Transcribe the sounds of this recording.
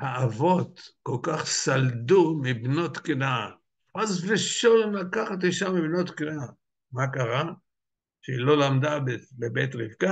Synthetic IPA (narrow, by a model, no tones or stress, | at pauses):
haavo̞t̪kolkaχsald̪umibnot̪kna | azveʃolnlakaχat̪̬iʃamːibnot̪kna | makaʁa | ʃeilo̞lamd̪abebebet̪ʁivka